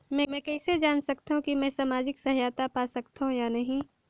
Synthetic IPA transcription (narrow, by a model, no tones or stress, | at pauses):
mɛ̃mɛ̃ːkɛːsed͡ʒaːnsɐk̚t̪aɦũkimɛ̃ːsamaːd͡ʒɪksɐɦjaːt̪apaːsɐkt̪aɦũjanɐɦĩ